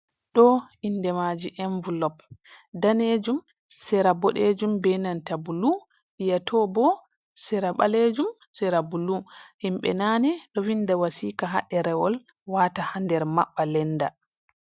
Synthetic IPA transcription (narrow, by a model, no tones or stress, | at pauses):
ɗɔinːdɛmad͡ʒiʔɛɱvulɔp̚daned͡ʒum | sɛɾabɔɗed͡ʒumbɛnantabulu | ʔijatʰɔbɔ | sɛɾaɓa̰led͡ʒum | sɛɾabuluhimɓɛ̰nanɛɗɔwindawasiːkaɦa̰ɗɛɾɛwɔl | watahandɛɾma̰ɓːalɛnda